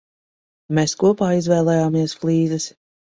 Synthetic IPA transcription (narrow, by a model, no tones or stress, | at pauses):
meskuɔpaːizvɛːlˠɛjaːmiɛsflˠiːzɨs